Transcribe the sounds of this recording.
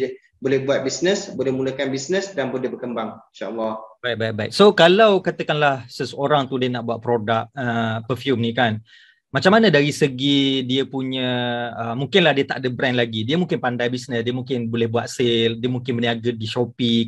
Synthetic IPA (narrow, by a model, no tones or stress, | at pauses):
bolɛhbuat̪̚bisnəsbolɛhmuləkanbisnəsdanbolɛhbəkəmbaŋinʃaʔɔlːɔhbajt̪̚bajt̪̚bajʔ̚sokalawkat̪əkanlahsəsəoɾaŋt̪udiənaʔbuaʔ̪̚pɾodak̚əpəfjumnĩkan | mat͡ʃamanə̃daɾisəɡidiəpuɲə̃əmũŋkɪnlahdiət̪aʔdəbɾɛnlaɡidiəmũŋkɪnpandajbisnəsdiəmũŋkɪnbolɛhbuat̪̚seldiəmũŋkɪnbəniaɡədiʃopi